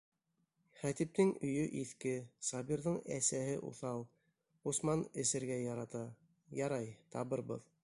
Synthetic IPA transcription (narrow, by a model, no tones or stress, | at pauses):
χæt̪ip̚t̪ɘŋɵ̆jɵʔiθkɘsɑbʲiɾðɤɴæsæhɘʔṵθɑlˠ | usmɑnɘ̆sɘ̆ɾɡæɑɾɑt̪ɑ | jɑɾɑjt̪ɑβɤɾbɤ̰ð